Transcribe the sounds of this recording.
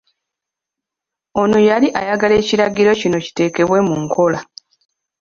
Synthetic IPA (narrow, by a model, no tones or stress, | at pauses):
o̞nujaliʔajaɡale̞ːciɾaɡiɾo̞cino̞ci̥te̞ːke̞βwe̞muŋkʰo̞la